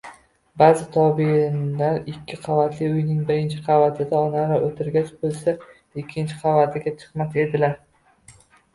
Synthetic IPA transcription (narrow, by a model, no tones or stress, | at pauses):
baːzɪt̪ʰɒbinlaɾɪkʲʰːɪqʰɑvat̪ʰlɪʊjnɪŋbɪɾɪnt͡ʃʰɪqʰɑvat̪ʰɪd̪aɒnaɾaʔot̪ʰɪɾɡʲat͡ʃbolˠsa | ɪkʲʰːɪnt͡ʃʰɪ̥qʰɑvat̪ʰɪɡʲat͡ʃʰɨ̥qmat̪e̞d̪ɪlaɾ